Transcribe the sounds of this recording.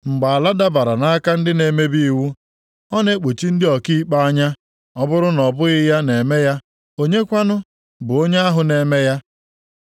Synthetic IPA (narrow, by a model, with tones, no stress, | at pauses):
ŋ͡m̩˨ɡ͡ba˨a˨la˦da˦ba˨ɾa˨na˦ka˦n̩˦dɪ˦ne˨me˦bi˦i˨wu˦ | ɔ˦ne˦k͡po˨t͡ʃi˦n̩˦dɪ˦ɔ˨ki˦i˦k͡pa˦a˦ɲa˦ | ɔ˦bʊ˦ɾʊ˦nɔ˨bʊ˦ɣɪ˦ja˦ne˨me˦ja˦ | o˦ɲe˦kʷa˦nʊ˦ | bʊ˨o˦ɲe˦a˦ɦʊ˨ne˨me˦ja˦